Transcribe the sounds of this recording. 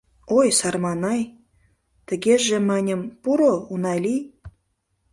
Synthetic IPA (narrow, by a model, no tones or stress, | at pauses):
ojsɑrmɑnɑj | t̪ə̆ɡʲeʒĕmænʲə̆mpuɾounɑlʲij